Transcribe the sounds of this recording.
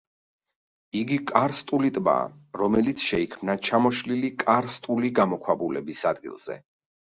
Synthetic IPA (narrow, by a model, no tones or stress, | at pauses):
iɡikʼaɾst̪ʼulit̪ʼba̰ːɾɔmɛlit̪sʰʃɛikʰmnat͡ʃʰamɔʃlilikʼaɾst̪ʼuliɡamɔkʰwabulɛbisad̪̚ɡḭlˠz̥ɛ̰